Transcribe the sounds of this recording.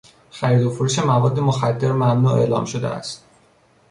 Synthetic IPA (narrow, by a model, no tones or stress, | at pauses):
xæɾiːd̪ofoɾuːʃemævɒːd̪ːemoxæd̪ːe̞ɾmæmnuːe̞̰ʔlɒ̰ːmʃod̪ḛæ̰st̪